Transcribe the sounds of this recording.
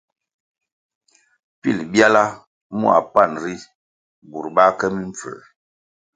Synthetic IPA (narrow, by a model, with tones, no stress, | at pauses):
pḭ˦˨lbja˦la˦ | mṵ˦a̰˨pa˦˨nɾi˦ | bu˨ɾba˦kɛ˦mi˦ɱ˨fə̰˨